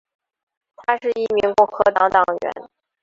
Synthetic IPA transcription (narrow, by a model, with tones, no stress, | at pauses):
t̪ʰa˥ʂɻ̩˥˧i˥˩mi˧˥ŋkɔ˥˩ŋxɤ˧˥t̪ɑ˧˥ŋt̪ɑ˨˩ŋɥɛ̰˧˥n